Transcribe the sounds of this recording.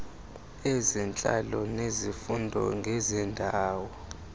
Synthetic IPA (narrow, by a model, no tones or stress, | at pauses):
ezɛnt͡ɬʼa̰lɔnezifundʱɔ̰ŋɡʱɛzɛndʱaːwɔ